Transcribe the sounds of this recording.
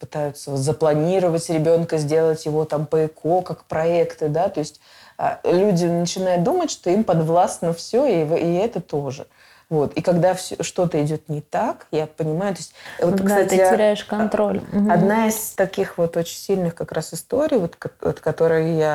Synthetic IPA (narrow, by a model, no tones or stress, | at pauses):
pɨ̥t̪ajʊt̪səvot̪zəplˠɐnʲiɾəvətʲɾʲɪbʲo̞nkəzʲdʲe̞lˠətʲjɪvo̞t̪ampəɪkʰo̞kakpɾɐɛkt̪ɨd̪at̪o̞ɪsʲtʲ | a̰lʲudʲɪnət͡ɕɪnajʊt̪̚d̪umətʲʂt̪o̞impɐd̪vlˠasnəfsʲoivɛt̪ət̪o̞ʐɨ̰ | vo̞t̪ikɐɡd̪afsʲoʂt̪o̞t̪əɪdʲo̞t̪nʲɪt̪akjapənʲɪmajʊt̪o̞ɪsʲtʲvot̪kst̪atʲɪɪɾʲæɪʂkɐnt̪ɾolʲɐd̪naɪst̪ɐkʲixvo̞t̪o̞t͡ɕɪ̥nʲsʲilʲnɨxkɐkɾʔasɨst̪o̞ɾʲɪjvot̪kɐ̰t̪kɐt̪o̞ɾɨjja